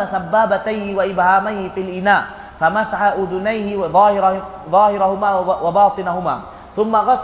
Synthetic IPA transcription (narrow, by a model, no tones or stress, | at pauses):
asabːaːbat̪ajhɪwaʔɪbhaːmajhɪfiːlʔɪnaːʔ | famasaħaʔʊd̪ʊnajhɪðˤɑːhɪɾ | ðˤɑːhɪɾahʊmaːwɑbɑːt̪ˤɨnahʊma̰ː | θʊmːaɣɑs